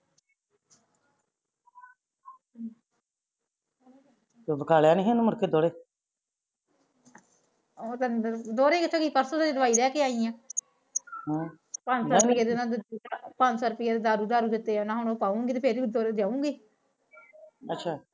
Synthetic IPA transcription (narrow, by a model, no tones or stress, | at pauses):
t̪obəkaːljaːnĩɦẽnuːməɾkeːd̪oːɽeː | oːt̪ad̪oːɾeːkɪt͡ʃʰoːkiːpəɾsoːd̪aeːd̪əʋaːiːlɛːkeːaːiãː | ɦã | pənːɾpiaːd̪enãːd̪pənsəɾpiːaːd̪eːd̪aːɾuːd̪aːɾũːd̪ɪt̪ːeːnãːɦʊnopaːũːŋɡit̪eːpʰeɾid̪oːɾd͡ʒaːũːɡiː | ətːʃʰaː